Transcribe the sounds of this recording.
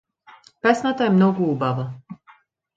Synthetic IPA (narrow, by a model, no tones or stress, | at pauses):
pɛsnat̪aɛmnɔɡuubava